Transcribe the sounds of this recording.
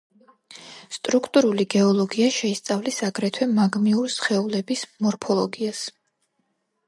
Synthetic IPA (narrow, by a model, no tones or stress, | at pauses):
st̪ʼɾukʰt̪ʼuɾuliɡɛɔlˠɔɡiaʃɛist̪sʼavlisaɡɾɛt̪ʰwɛmaɡmiuɾisχɛulɛbismɔɾpʰɔlˠɔɡias